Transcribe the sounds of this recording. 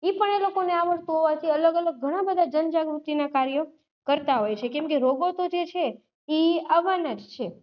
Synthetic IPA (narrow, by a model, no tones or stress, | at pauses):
ipəɳelokoneaʋəɭt̪ũɦoʋat̪ʰiələɡələɡ̚ːʱəɽ̃abəd̪ʱad͡ʒənd͡ʒaɡɾut̪ːinakaɾjo | kəɾt̪aɦojt͡ʃʰekɛmkeɾoɡot̪od͡ʒet͡ʃʰe | iəʋanəd͡ʒt͡ʃʰe